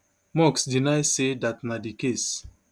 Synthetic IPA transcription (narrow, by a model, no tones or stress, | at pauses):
mɔksdinaɪsedatnadikes